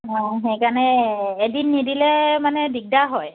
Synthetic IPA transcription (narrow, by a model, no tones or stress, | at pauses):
ɔxejkanɛːdinːidilɛmanɛbiɡ̚daɦɔj